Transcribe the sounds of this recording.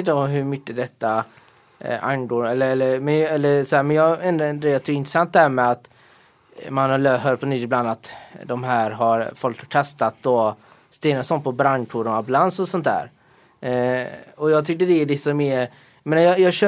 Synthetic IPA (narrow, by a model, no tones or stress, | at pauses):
nt̪ɔmɦɵɾmʏkːəd̪ɛt̪ːa | a̰ŋɡoːɛlːəɛlːəɾmɛnɛlːəɾsɔhæːɾmɛnjɑɛnd̪ɾaɛnd̪ɾajɑt̪ʰʏkːɾɪt̪ɾɛsant̪̚d̪ɛhæːɾmɛat̪ | manhaløːɦœɾpʰɔnyt̪ːɪbland̪at̪d̪ɔmɦæːɾɦaɾfɔlt̪ʰɔkʰɛst̪at̪̚d̪ɔ | st̪eːnasɔnpʰɔbɾaŋkʊɾɔablansɔsɔnt̪dæ̰ːɾ | ɔjɑːɡt̪ʰʏkːəd̪ɛːɖ̪ɪsɔmɛ | jmeːnajɑjɑːɡɕø